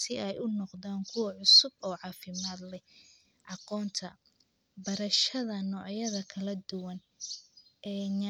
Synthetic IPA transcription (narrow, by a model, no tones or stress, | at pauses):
sɪɛjʊnɔqðaːŋkʰʊwɑʕʊsʊbɔːʕɑːfɪmaːd̪lɛ | ʔɑqɔːnt̪ʰɐ | bɐɾɐʃɐðɐnɔːʕjɐðɐkʰɐlɐd̪ʊwɐn | ɛːɲ